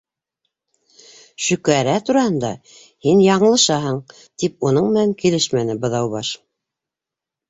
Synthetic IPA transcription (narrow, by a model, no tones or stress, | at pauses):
ʃɵ̆kæɾæt̪uɾɑhɤnd̪ɑ̰ | hinjɑɴɤ̆lˠɤ̆ʃɑɦɤɴ | t̪ip̚unɤɴmɘ̆næŋkilɘʃmænɘbɤ̆ðɑwβɑʃ